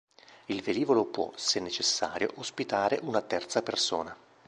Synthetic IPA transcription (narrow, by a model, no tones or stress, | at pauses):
ilveliːvolopwɔ̰senːet͡ʃesːaːɾjo̰ʔospit̪aːɾeʔunat̪ɛrt̪sapersoːna